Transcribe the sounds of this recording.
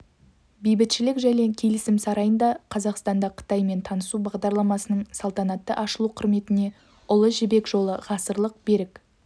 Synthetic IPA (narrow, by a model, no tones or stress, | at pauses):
bijbɪt̪ʃɪlɪkʒæne̞kʲʰe̞lɪsɪmsɑɾɑjənd̪ɑqʰɑzɑqst̪ɑnd̪ɑqʰə̥t̪ɑjme̞nt̪ʰɑnəsubɑʁd̪ɑɾlˠɑmɑsənəɴsɑlˠt̪ɑnɑt̪ːəʔɑʃəlˠuqʰʊɾme̞t̪ɪne̞ | ʊlˠəʒɪbe̞kʒo̞lˠəʁɑsəɾlˠəq̚be̞ɾɪk